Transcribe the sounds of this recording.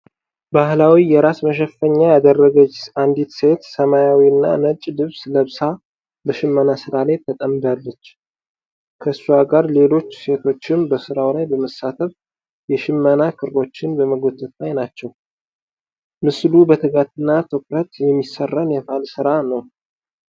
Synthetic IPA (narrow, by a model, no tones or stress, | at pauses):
bahlawijɛɾasməʃ̬əfːəɲːajad̪ərːəɡət͡ʃːand̪it̪se̞t̪səmajawiɨnːa̰nət͡ʃʼːdɨβsləβsa | bəʃɪmːənasɨɾalajt̪ʰət̪ʼəmb̪alːət͡ʃː | kʰəsːuaɡaɾle̞lo̞t͡ʃːse̞t̪ʰo̞t͡ʃːɪmbəsɨɾawlajbəməsːat̪ʰəf | jɛʃɪmːənakʰɨɾo̞t͡ʃːɪnbəməɡo̞t̪ʰːɨt̪ʰlajnat͡ʃːɛw | mɨslubət̪ʰəɡat̪ɨnːat̪ʰokɾət̪jɛmːisərːənjɛfalsɨɾanəw